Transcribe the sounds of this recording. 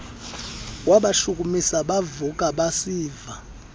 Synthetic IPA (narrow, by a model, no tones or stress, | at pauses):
waɓaʃuk̬ʼumisaɓavuk̬ʼaɓasiːva